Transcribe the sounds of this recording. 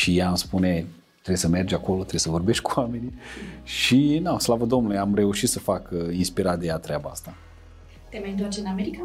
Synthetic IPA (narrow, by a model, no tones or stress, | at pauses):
ʃijaːmspune̞ | t̪ɾejsəme̞rd͡ʒako̞lo̞t̪ɾe̞besəvo̞rbe̞ʃt̪̚ʲkuame̞niʃinaslavəd̪o̞mnulujeamre̞uʃit̪səfakinspiɾat̪̚d̪e̞jat̪ɾeabaa̰st̪a | t̪emajɨnt̪oat͡ʃeɨnameɾika